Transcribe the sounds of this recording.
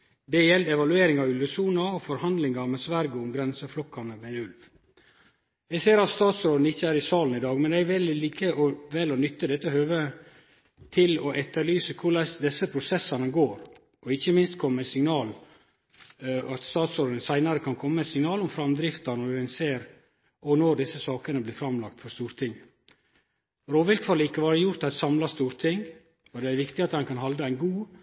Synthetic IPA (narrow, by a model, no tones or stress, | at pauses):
d̪ɛjɛld̪ɛʋɑlʉeːɾɪŋɑʉlʋəsuːnɑɔfɔɾhɑnd̪lɪŋɑmɛsʋæɾɡəʊmɡɾɛnsəflɔkːɑnəʋɛʉlʋ | jɛɡseːɾɑt̪st̪ɑːt̪sɾoːd̪nəɪçːəæːɾɪsɑːlnɪd̪ɑːɡmɛnd̪ɛɾʋɛlliːkʰəʔɔʋɛlɔnʏt̪ːəd̪ɛt̪ːəhøːʋə | t̪ʰɪlɔʔɛt̪ːəɾlyːsəkʰʊɖɑd̪ɛsːəpʰɾʊsɛsɑnəɡoːɾ | ʔɔɪçːəmɪnst̪̚kʰɔmːəɛsɪŋnɑːl | ɑt̪st̪ɑːt̪sɔɾɖ̪ənsæɪnɑɾəkʰɑnkʰɔmːəæɪt̪sɪŋnɑːlɔmfɾɑmd̪ɾɪft̪ɑnɔɛnseːɾ | ɔnɔɖɪsːəsɑːkənəblɪːfɾɑmlɑk̚t̪fɔɾst̪uːɾt̪ʰɪŋ | ɾoːʋɪlk̪fɑlikːəʋɑːɾəjʊɾt̪ɑt̪sɑmlɑst̪uːɾt̪ʰɪŋ | ɔd̪ɛæɾʋɪkt̪ɪɑt̪hɑnkʰɑnɦɑld̪əæɪnɡuː